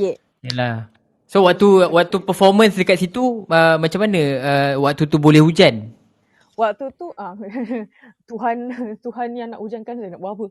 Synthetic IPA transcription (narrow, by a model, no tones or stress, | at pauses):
jɛ | jəlah | sowaʔ̚t̪uwaʔ̚t̪upəfɔrmə̃nsdəkat̪sit̪uəmat͡ʃamanə̃əwak̚t̪ut̪ubolɛhud͡ʒan | wak̚t̪ut̪uʔa | t̪uɦant̪uɦanjaŋnaʔud͡ʒankansajənaʔbaapə